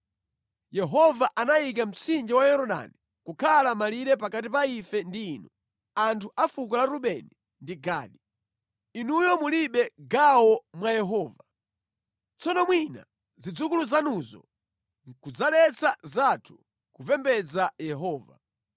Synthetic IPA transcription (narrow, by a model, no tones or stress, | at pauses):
jɛɦɔvaʔanaik̬am̩t͡sʰind͡ʒiwajɔɾɔɗa̰ni | kukʰalamaliɾɛp̬akatip̬aifɛndiːnu | antʰuʔafuk̬ɔlaɾuɓɛni | ndiɡa̰ːɗi | inujɔmuliɓɛɡawɔmwajɛɦɔːva | t͡sɔnɔmwina̰ | zid͡zukuluzanuzɔ̰ | kud͡zalɛt͡sʰazatʰu̥ | kupɛmbɛd͡zajɛɦɔːva̰